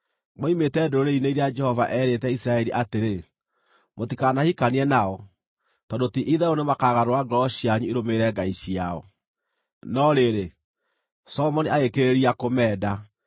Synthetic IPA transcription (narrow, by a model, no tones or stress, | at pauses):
mɔimetɛdoɾoɾeineiɾead͡ʒɛhɔva̰ʔɛːɾetɛisɾaɛɾiʔateɾe | motikanahikaniɛnaɔ | tɔdotiʔiðɛonemakaːɣaɾowaɡɔɕiaɲueɾomeɾɛɡaiʃiaɔ̰ | nɔɾeɾe | sɔɔmɔniaɣekeɾeɾiakomɛːda